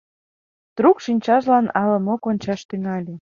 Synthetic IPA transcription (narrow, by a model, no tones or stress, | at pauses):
t̪ɾukʃinʲt͡ɕɑʒlɑnɑlɤmokonʲt͡ɕɑʃt̪yŋɑlʲe